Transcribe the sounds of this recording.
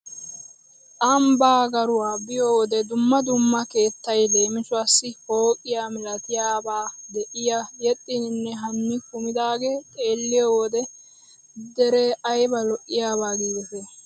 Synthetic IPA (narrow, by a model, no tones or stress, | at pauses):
ʔɐmbaːɡɐɾʊwaːbɪjowɔd̪ɛd̪ʊmːɐd̪ʊmːɐke̞ːt̪ːɐjle̞ːmɪt͡ʃʊɐsːɪho̞ːkʼɪjaːmɪlɐt̪ɪjaːbaːd̪ɛʔɪjajɛt̪ʼːɪnnːɛɦɐnːɪkʊmɪd̪aːɡet̪ʼeːlːɪjɔwɔːd̪ɛ | d̪ɛɾeːʔɐjbɐlɔʔːɪjaːbaːɡiːd̪ɛt̪ɛ